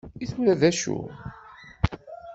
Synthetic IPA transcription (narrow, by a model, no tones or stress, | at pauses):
iθwɾæðæʃṵ